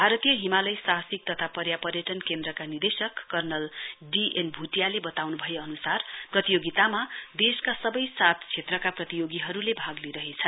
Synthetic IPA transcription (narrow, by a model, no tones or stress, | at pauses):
bʱaɾʌt̪ijʌɦimalʌjsaɦsik̚t̪ʌt̪ʰapʌɾjapʌrjʌʈʌnkend̪rʌkanird̪esʌkːʌrnʌlɖiʔenbʱuʈijalebʌt̪awnubʱʌjeʌnusarprʌt̪ijoɡit̪amad̪eskasʌbʌjsat̪ʰt͡sʰet̪rʌkaprʌt̪ijoɡiɦʌɾulebʱaɡliɾʌɦet͡sʰʌn